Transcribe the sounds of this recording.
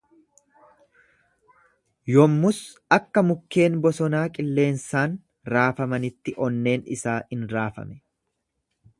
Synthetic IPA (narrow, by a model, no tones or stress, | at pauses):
jɔmːʊs | ɐkːɐmʊkːe̞ːnbɔsɔnaːkʼɪlːe̞ːnsaːn | ɾaːfɐmɐnɪt̪ːɪʔɔnːe̞ːnɪ̰saːhɪnɾaːfɐ̰mɛ̥